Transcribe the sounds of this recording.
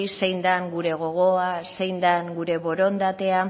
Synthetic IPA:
ise̞jnd̪aŋɡuɾe̞ɣ̞o̞ɣ̞o̞ase̞jnd̪aŋɡuɾe̞βo̞ɾo̞nd̪at̪e̞a

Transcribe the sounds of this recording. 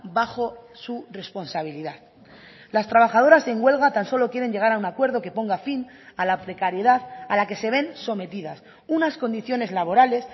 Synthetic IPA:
baxo̞sure̞spo̞nsaβ̞iliðað | last̪ɾaβ̞axað̞o̞ɾase̞ŋɡwe̞lɣat̪anso̞lo̞kje̞ɾe̞ɲɟe̞ɣ̞aɾaunakwe̞ɾð̞o̞ke̞po̞ŋɡafin | alapɾe̞kaɾjeðaðalake̞se̞β̞e̞nso̞me̞t̪iðas | unasko̞nd̪iθjo̞ne̞zlaβo̞ɾale̞s

